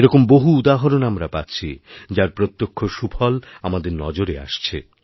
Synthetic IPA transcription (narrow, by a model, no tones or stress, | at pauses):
eɾɔkomboɦuud̪aɦoɾonamɾapat̪ːɕʰid͡ʑaɾpɾot̪ːokʰːoʃupʰɔlamad̪eɾnɔ̰d͡ʑoɾea̰ʃt͡ɕʰe